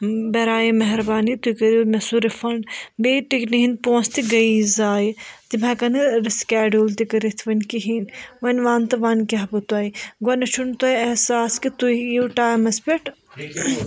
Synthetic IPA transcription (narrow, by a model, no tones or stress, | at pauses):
bɐɾaːjimɐɦɾbaːnit̪ukɐɾimɐsuɾifɐɳɖbeːʈikniɦĩnd̪̚põːst̪iɡɐizaːjt̪imãkɐnɐɾiskɛːɖult̪ikɐɾit̪ʰʋɐnkiɦinʋɐnʲʋaːnt̪ɐʋaːnkʲaɦpɐt̪uaːjiɡɐnɐt͡ʃʰunt̪ɐjɐhsaːskit̪uiwʈaːjmɐspʲeʈ